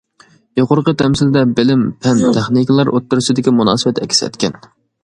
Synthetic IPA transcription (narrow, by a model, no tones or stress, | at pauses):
joqʰʊɾqət̪ʰɛmsɪld̪ɛbɪlɪmpʰɛnt̪ʰeχnikʲlˠɑɾʔot̪ːɨɾɨsɪd̪ɪkʲimunɑ̰ːsɨwɛt̪ɛ̰kʲi̥sɛ̰t̪kʲɛn